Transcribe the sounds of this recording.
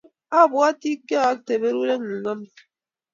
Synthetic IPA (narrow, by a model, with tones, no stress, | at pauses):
a˦˨bwa˦ti˦ka˦˨a˦k̚te˨be˦ɾu˦ɾe˦ŋu˨ŋa˦m